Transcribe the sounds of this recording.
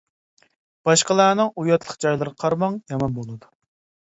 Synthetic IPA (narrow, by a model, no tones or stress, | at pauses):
b̥ɑʃqəlˠæːnɨŋujɑt̪lˠəqd͡ʒɑjlˠɨɾqʰɑɾmɑŋjɑmɑnbolˠɨd̪u